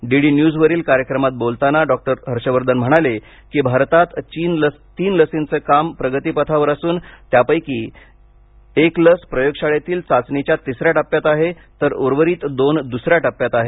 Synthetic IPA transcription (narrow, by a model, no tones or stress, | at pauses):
ɖiɽiːnjud͡zʋəɾiːlkaɾjəkɾəmat̪̚bolt̪anaɖɔk̚ʈəɾɦəɾɕəʋəɾd̪ənm̤əɽ̃ale | kiːbʱaɾt̪at̪t͡ɕin | t̪iːnləsint͡səːkampɾəɡət̪iːpət̪ʰaʋəɾasuːnt̪japəjkiː | ekləspɾəjoɡɕaɭjat̪iːlt͡sat͡snit͡ɕjat̪isɾjaʈapːjat̪aɦe | t̪əɾoɾʋəɾiːt̪d̪ond̪usɾjaʈapːjat̪aɦe